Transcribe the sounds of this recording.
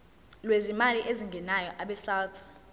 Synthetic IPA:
lwezimaliʔeziŋɡʱɛnajɔʔaɓɛsawt̪ʰ

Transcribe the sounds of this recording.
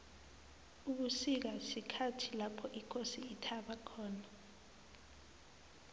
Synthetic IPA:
uk̬usik̬asikʰatʰilapʰɔʔikʰosiːtʰaɓakʰɔːna

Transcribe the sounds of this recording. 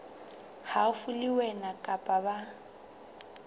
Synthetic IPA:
hafʊliwɛnakʼapʼaba

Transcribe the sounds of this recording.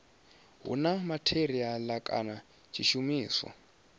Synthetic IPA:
ɦṵnamatʰeɾialakʼa̰na | t͡ʃʰiʃumiːswa̰

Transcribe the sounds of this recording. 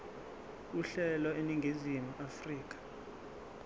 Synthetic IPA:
uɬɛlɔeniŋɡʱizimuʔafriːk̬ʼḁ

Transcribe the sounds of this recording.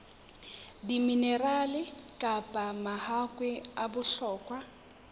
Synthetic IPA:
diminɛralɪkʼapʼamahakʼwɛabʊɬɔːkʼwa

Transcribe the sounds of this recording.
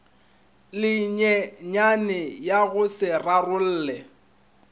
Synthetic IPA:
lɪɲɛɲanɪjaɣʊsɪrarʊl̩ːlɛ

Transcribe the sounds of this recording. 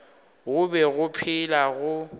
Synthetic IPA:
ɣʊbɛɣʊpʰɪlaɣʊ

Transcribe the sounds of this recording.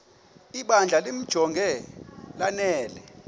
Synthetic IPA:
iɓand͡ɮʱalem̩d̥ʒ̥ʱɔŋɡʱɛlanɛːlɛ

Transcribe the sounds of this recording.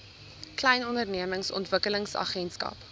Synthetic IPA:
klɛjnɔndərniəməŋsɔ̰ntv̥əkələŋsɐ̰χɛnskɐ̰p

